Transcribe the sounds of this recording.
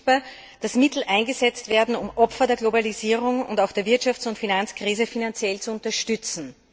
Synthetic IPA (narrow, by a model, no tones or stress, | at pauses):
b̥a | d̥asmɪtl̩ʔæ̃ɪnɡəzɛt͡stv̥eːɐdn̩ʊmʔɔpfɐdeːɐɡlobaliziːʁʊŋʊ̰ndaʊxd̥eːɐvɪɐtʃaft͡sʊntfinant͡skʁ̥iːzəfinant͡sjɛlt͡suʊ̃ntɐʃtʏt͡sn̩